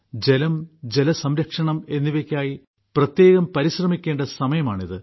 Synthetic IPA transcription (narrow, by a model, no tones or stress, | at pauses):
d͡ʑe̞lɐmd͡ʑe̞lɐsɐmɾɐkʂɐɳɐme̞nːiʋekʲːaːji | prɐt̪je̞ːɣɐmpɐɾiɕrɐmikʲːe̞ːɳɖɐsɐmɐjɐmaːɳiðɨ